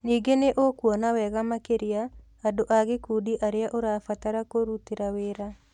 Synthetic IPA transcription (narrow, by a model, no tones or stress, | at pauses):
niːɡeneʔokwɔnawɛɣamakeɾiaː | doʔaɣekudiʔaɾeaʔoɾafataɾakoɾutiɾaweːɾa